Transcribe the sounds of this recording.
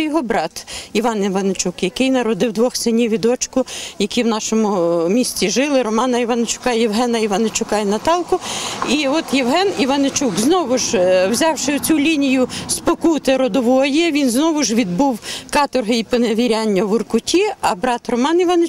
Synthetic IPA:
jɔɦɔbɾɑt̪iʋɑniʋɐnet͡ʃukjɐkɪjnɐɾɔd̪ɪwd̪ʋɔxsɪnʲiʋʲid̪ɔt͡ʃkʊjɐkʲiwnɑʃɔmʊmʲisʲt͡sʲiʒɪlˠɪɾɔmɑnɐiʋɐnet͡ʃʊ̥kɑjɛwɦɛnɐiʋɐnet͡ʃʊkɑjnɐt̪ɑlˠkʊiɔt̪jewɦɛniʋɐnet͡ʃukznɔʋʊʒwzʲɑwʃɪʊt͡sʲulʲinʲijʊspɔkut̪ɪɾɔd̪ɔʋɔjɛʋʲinznɔʋʊʒʋʲid̪̚buwkɑt̪ɔrɦɪipɔneʋʲiɾʲanʲːɐʋʊrkʊtʲiɐbɾɑt̪rɔmɑniʋɐne

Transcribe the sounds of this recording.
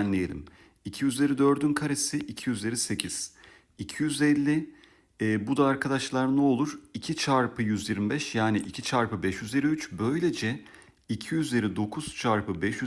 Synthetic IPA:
nlʲejḛlʲḭm | icʰijyzlʲeɾʲid̪ø̞ɾd̪ynkʰaɾesiʔicʰijyzlʲeɾise̞cʰiz̥ | icʰijyzɛlʲːɪː | bud̪aːɾkʰad̪aʃlˠaɾnuo̞lˠuɾ̥icʰit͡ʃʰaɾpʰɯjyzjiɾmibɛʃjaːniʔicʰit͡ʃʰaɾpɯbɛʃjyziɾmiyt͡ʃbø̞jlʲe̞d͡ʒɛ | icʰijyzʲeɾid̪o̞kʰuz̥t͡ʃʰaɾpɯbɛʃjy

